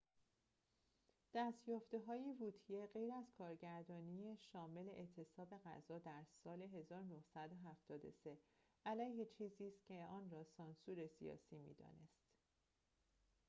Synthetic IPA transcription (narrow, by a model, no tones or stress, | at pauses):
d̪̥æst̪jɒːft̪eɦɒːjivuːt̪ʰijeɢe̞jɾæzkʰɒːɾɟæɾd̪ɒːnijeʃɒːme̞le̞ʔet̪ʰe̞sɒːbe̞ɣæ̰zɒːd̪æɾsɒːle̞ɦe̞zɒːɾonohsæd̪o̞ɦæft̪ɒːd̪o̞̰se̞ʔælæjhet͡ʃʰiːziːst̪cʰe̞ɒːnrɒːsɒːnsuːɾe̞sḭjɒ̰ːsiːmḭːd̪ɒ̰ːne̞st̪